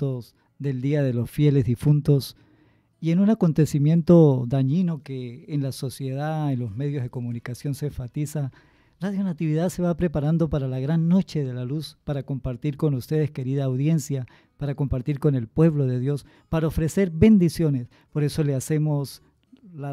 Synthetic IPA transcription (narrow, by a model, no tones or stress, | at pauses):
t̪os | ðe̞ld̪iaðe̞lo̞sfje̞le̞zðifunt̪o̞s | ie̞nunako̞nt̪e̞simje̞nt̪o̞ðaɲino̞keːnlaso̞sje̞ð̞aenlo̞zme̞ðjo̞zðe̞ko̞munikasjonseɱfat̪isa | raðjo̞nat̪iβiðaðse̞βapɾe̞paɾand̪o̞paɾalaɣɾanːo̞t͡ʃe̞ðe̞laluspaɾako̞mpaɾt̪iɾko̞nust̪e̞ðeske̞ɾiðaːwðje̞nsja | paɾako̞mpaɾt̪iɾko̞ne̞lpwe̞βlo̞ðe̞ðjo̞s | paɾaofɾe̞se̞ɾbe̞nd̪isjo̞ne̞s | po̞ɾe̞so̞lease̞mo̞s | la